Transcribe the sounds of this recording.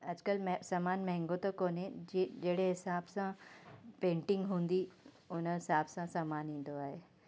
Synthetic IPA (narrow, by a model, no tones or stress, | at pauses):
ɐd͡ʑkəlmsaːmaːnmɛ̃ɦɪ̃ŋɡot̪okoːned͡ʑeːɽeɦɪsaːbsãpẽːɳʈɪ̃ŋɡɦũːnd̪i | ʊnəɦɪsaːbsãsaːmaːnĩːn̆d̪oaːɦeː